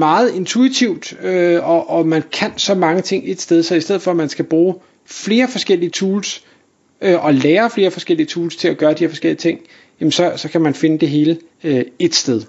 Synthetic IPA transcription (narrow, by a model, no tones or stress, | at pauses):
mɑ̈ːð̞̩ˠe̝nt͡sʰuit͡sʰiʊ̰d̥øɒ̽ʔɒ̽mænkʰænsɒ̽mɑ̈ŋət͡sʰe̝ŋ̰e̝d̥sd̥eð̞ˠsɒ̽isd̥eð̰̩ˠfɒ̽mænsɡ̥æb̥ʁuː | fle̝ːɐfɒ̽sɡ̥el̰iət͡sʰuːls | øʔɒ̽leːɐfle̝ːɐfɒ̽sɡ̥el̰iət͡sʰuːlst͡sʰe̝læɡ̥ɶːɐd̥iheɐfɒ̽sɡ̥el̰iət͡sʰe̝ŋ̰ | jæmnsɒ̽sɒ̽kʰæmænfe̝nəd̥e̝ɦe̝ːlə | e̝d̥sd̥eðˠ